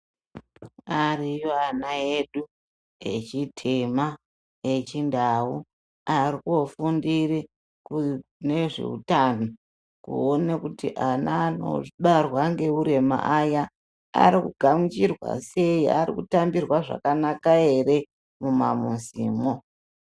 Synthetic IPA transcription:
arijoanae̞ɗu | je̞̰t͡ʃitʰema | e̞t͡ʃindau | arikuo̞fundiri | kune̞ʐḛṵtano | kṵonekutḭʔanaːno̰ʐiɓarwaŋɡe̞uɾe̞ma̰ʔaja | a̰ɾikuɡʱamit͡ʃirwa̰se̞ia̰ɾikutambirwaʐa̰kanakae̞ɾe̞ | muma̰muziːmo

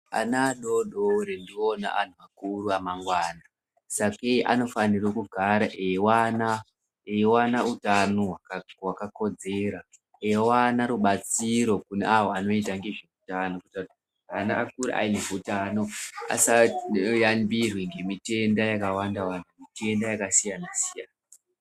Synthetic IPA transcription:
a̰naːɗoɗoɾendiona̰a̰n̤uakuruamaŋɡwaːna | sakeʔa̰no̞fanirwokuɡʱaɾaʔewana | ewanautanoɦwakwakako̞d͡zeːɾa | ewanaɾuɓat͡siɾo̞kunḛawoano̞itaŋɡe̞ʐeutanokutat | anaʔakuɾḭʔa̰ineutano̞a̰sajambirweŋɡe̞mite̞ndajakawandawantʰumite̞ndajakasijanasijaːna

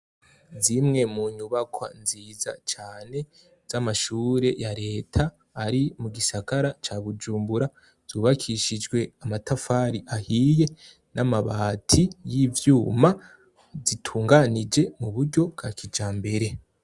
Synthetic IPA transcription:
zimŋe̞muːɲuβakʰwa̰nziːza̰t͡ʃaːne̞ | z̥amaʃuːɾe̞jaɾe̞ːtʰaː | ɾimuɡisaɡaɾat͡ʃaβud͡ʒuːmbuɾa | z̥uːβakʰiʃid͡ʒɡwe̞amatafaːɾiʔahije̞ | namaβaːtʰijivjuːma | zitʰuːŋɡanid͡ʒe̞muβuɾɟo̞kɡakid͡ʒaːmbe̞ɾe̞

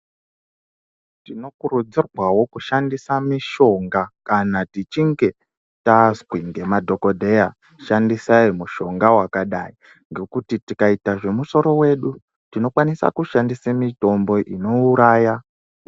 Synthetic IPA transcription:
tino̞kurud͡zirwawo̞kuʃandisamiʃo̞ŋɡakanatit͡ʃiŋɡe̞ | taskwiŋɡemadʱo̞ko̞dʱeja | ʃandisaimuʃo̞ŋɡawakaɗai | ŋɡe̞kutitikaitaʐe̞muso̞ɾo̞we̞ːɗu | tino̞kwanisa̰kuʃandisemito̞mbo̞ʔino̞uɾaːja

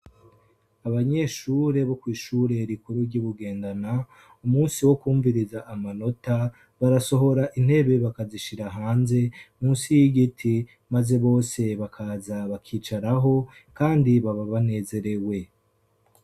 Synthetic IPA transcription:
aβaɲe̞ʃuːɾe̞βo̞kwiːʃuːɾe̞ɾikuɾuɾɟuβuɡe̞ːndana | umuːnsiwo̞kuːɱviɾizaʔːmano̞ta | βaɾaso̞ɦo̞ɾaʔin̥he̞βe̞βakaziʃiɾaɦaːnze̞muːnsijiɡitʰi | maze̞βo̞ːse̞βakʰazaβakʰiːt͡ʃaɾaɦo̞ | kaːndiβaβaβane̞ːze̞ɾe̞we̞

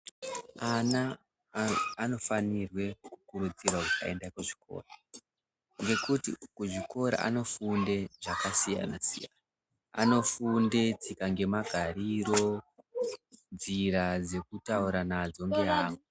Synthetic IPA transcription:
ana | no̞fanirwe̞kkukuɾud͡zirwakukaendakeʐi̥ko̞̰ːra | ŋɡe̞kutikuʐiko̞ɾa̰ʔa̰no̞funde̞ʐakasija̰nasḭja̰na | a̰no̞funde̞t͡sikaŋɡe̞maɡʱaɾiɾo̞ | nd͡ziɾad͡ze̞kutauɾanad͡zo̞ŋɡeaːŋɡu

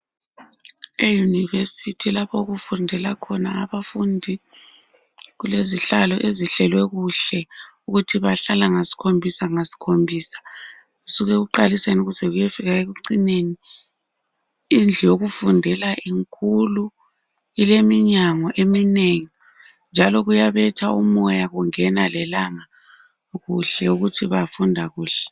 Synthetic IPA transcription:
ejunivesitʰilapʰɔuɣufundʱɛlakʰɔnaːβafundʱi | ɣuleziɬalɔʔeziɬɛlwɛɣuɬɛuɣutʰiβaɬalaŋasi̥kʰombʱisaŋasi̥kʰombʱiːsḁ | usuɣɛɣuǃalisenuɣuzɛɣujefiɣaeɣuǀineni | ind͡ɮʱɛjoɣufundʱɛlaʔiŋkʰulu | ilemiɲaŋɔʔemineŋi | nd͡ʒʱalɔɣujaβɛtʰaumɔjaɣuŋɛnalɛlaŋa | ɣuɬɛuɣutʰiβafundʱaɣuːɬɛ̥

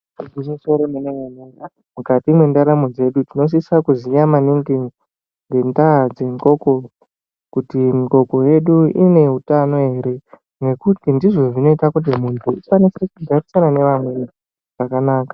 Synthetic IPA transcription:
ɡimisoɾomeneŋana | mukatimwendaɾamod͡ze̞ɗutino̞s̬isakuzijamaniŋɡiŋ | ŋɡe̞ndad͡ze̞ŋko̞ko̞ | kutimikoko̞je̞ɗuine̞ɦutano̞ɦe̞ɾe̞ | ne̞kutindiʐo̞ʐino̞itakut̬imuntʰuufanisekuɡarisanane̞ʋamwe̞ | ʐ̥akanaːkḁ

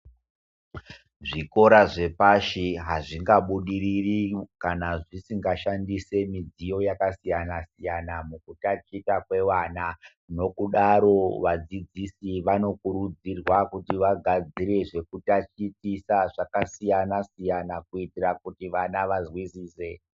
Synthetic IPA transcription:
ʐiko̞ɾaʐe̞paʃiɦaʐiŋɡaɓuɗiririkanaʐisiŋɡaʃandise̞mid͡zijo̞jakasijanasijanamukutat͡ʃitakwe̞ʋana | no̞kuɗaɾo̞ʋad͡zid͡zisiʋano̞kuɾud͡zirwakutiʋaɡʱad͡ziɾe̞ʐe̞kutat͡ʃitisaʐakasijanasijanakuitirakutiʋanaʋazwisiːse̞

